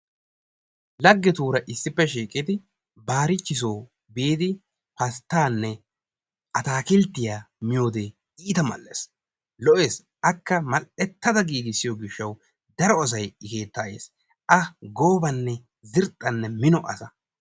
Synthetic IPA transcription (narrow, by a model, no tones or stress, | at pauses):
lɐɡːɛt̪uːɾɐʔɪsːɪpːɛʃiːkʼɪt̪ɪ | baːɾɪt͡ʃːɪs̬oː | beːd̪ɪ | pɐst̪ːaːnːɛ | ʔɐt̪aːkɪlt̪ːɪjaː | mɪjo̞ːd̪e | iːt̪ɐmɐ̰lːḛs | lɔʔe̞ːs | ʔɐkːɐmɐlɛt̪ːɐd̪ɐɡiːɡ̪ɪsːɪjɔɡɪʃːɐw | d̪ɐɾɔɐs̬ɐjɪke̞ːt̪ːaːjḛːs | ʔɐɡo̞ːbɐnːɛ | zɪɾt̪ʼːɐnːɛmɪnɔʔɐ̰sɐ